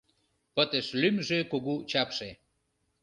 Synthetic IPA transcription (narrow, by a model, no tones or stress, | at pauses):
pət̪eʃlymʒekoɣut͡ɕɑpʃe